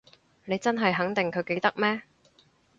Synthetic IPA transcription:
ne˨˧jt͡sɐ˥nɦɐ˨jɦɐ˨˥ŋt̪ɪ˨ŋkʰɵ˨˧ɥke˨˧jt̪ɐ˥k̚mɛː˥

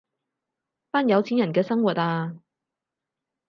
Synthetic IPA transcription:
paː˥njɐ˨˧wt͡sʰiː˨˥njɐ˨˩nkɛː˧sɐ˥ŋwuː˨t̚aː˧

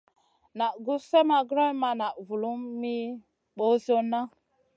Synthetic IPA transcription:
na˨ʔɡu˦se˦ma˨ɡɾɔ˦jma˨na˨ʔvu˨lu˦mːi˦ | ɓo˦zo˦nːa˦

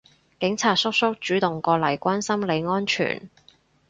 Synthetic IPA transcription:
kɪ˨˥ŋt͡sʰaː˨t̚sʊ˥k̚sʊ˥k̚t͡ʃyː˨˥t̪ʊ˨˩ŋkɔː˧lɐ˨˩jkʷaː˥nsɐ˥mle˨˧jŋɔː˥nt͡ʃʰy̰ː˨˩n

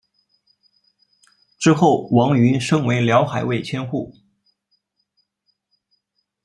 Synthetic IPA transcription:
ʈ͡ʂɻ̩˥xo˥˩ʊwɑ˧˥ŋy˧˥nʂɤ˥ŋwe˧˥ɪljɑ˧˥ʊxa˨˩ɪwe˥˩ɪt͡ɕʰjɛ˥nxu˥˩

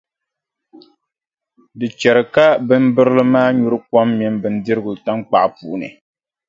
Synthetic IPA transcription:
dɨ˨t͡ʃɛ˨ɾɨ˨ka˦bɨ˦m˦bɨ˦ɾɨ˦lɨ˦maː˦ɲu˦ɾɨ˦kɔ˦mːɛ˨˦mbɨ˨n̩˦dɨ˦ɾɨ˦ɡʊ˨ta˦ŋk͡pa˨ʔpu˨ʔnɨ̰˨

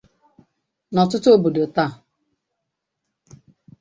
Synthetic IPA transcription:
nɔ˨tʊ˦tʊ˦o˦bo˨do˨ta˦˨

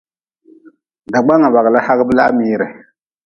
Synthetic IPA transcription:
da˨ɡ͡ba˦ŋa˨ba˨ɣɨ˨la˦ha˦ɣɨ˦bɨ˦laː˦miː˦ɾɨ˨

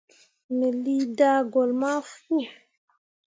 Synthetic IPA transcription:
mɛ˨li˦daː˦ɡɔ˨lma˦fu˦

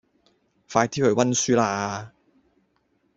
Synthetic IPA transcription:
faː˧jt̪ʰiː˥hɵ˨˧˩wɐ˥nsyː˥laː˧aː˧

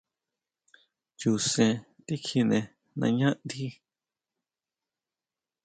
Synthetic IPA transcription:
t͡ʃu˨sẽ˧˨ | t̪i˦kʰi˧nẽ˨ | nã̰˧˨ɲã˦nd̪i˦

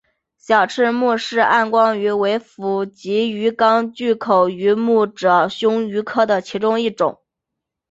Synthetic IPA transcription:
ɕjɑ˨˩ʊʈ͡ʂʰɻ̩˥˧mu˥˧ʂɻ̩˥˧a˥˩nkwɑ˥ŋy˧˥we˧˥ɪfu˧˥t͡ɕi˧˥y˧˥kɑ˥ŋt͡ɕy˥˩kʰo˨˩ʊy˧˥mu˥˩ʈ͡ʂɤ˨˩ɕjʊ˥ŋy˧˥kʰɤ˥˩d̪ə˩t͡ɕʰi˧˥ʈ͡ʂʊ˥ŋi˥˩ʈ͡ʂʊ̰˨˩˦ŋ

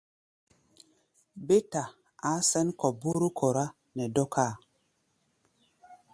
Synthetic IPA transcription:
be˦ta˨ | a˨˦sɛ˦nkɔ˨bu˦ɾu˦kʰo˨ɾa˦ | nɛ˨dɔ˦kʰaː˦˨

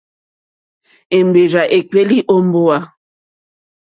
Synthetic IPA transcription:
e˨m˨be˨ɾa˨ʔe˨k͡pe˦li˦ʔo˦m˦bo˦a˦

